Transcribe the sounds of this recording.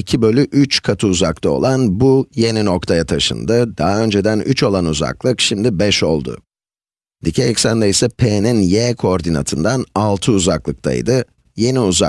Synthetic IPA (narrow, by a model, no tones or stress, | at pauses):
icʰibø̞lʲyʔyt͡ʃkʰat̪ʰɯuzakt̪ʰˠao̞̰lˠanbuje̞nino̞k̚t̪ʰajat̪ʰaʃɯ̰nd̪ɯd̪aɦaø̞nd͡ʒe̞d̪ænyt͡ʃo̞lˠanuza̰klˠɯkʃimd̪ibɛʃo̞lˠd̪ʊ̰ | d̪̥icʰeɛcsænd̪eisɛpʰeninjɛːkʰooɾd̪ina̰t̪ʰɯnd̪analˠt̪ʰɯuzaklˠɯk̚t̪ʰa̰jd̪ɯ | je̞niuza